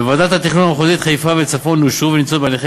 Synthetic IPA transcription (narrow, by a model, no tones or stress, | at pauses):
vad̪at̪hat̪iχnunameχozit̪χajfavet͡safo̞nuʃuvenimt͡sobealeχ